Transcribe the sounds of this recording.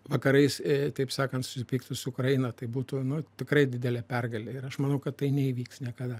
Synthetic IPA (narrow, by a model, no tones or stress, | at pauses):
ʋɐkɐɾɐɪst̪ɐɪpsɑːkɐnt̪sʊ̥sʲɪpʲiːk̚t̪ʊsʊʊkɾɐjɪnɐt̪ɐɪbuːt̪ʊnʊt̪ʲɪkɾɐɪd̪ʲɪd̪ʲɛlʲɛːpʲɛrɡɐlʲeɪɾɐʃmɐnɐʊkɐt̪t̪ɐɪnʲɛiːʋʲiːksnʲiɛkɐd̪ɐ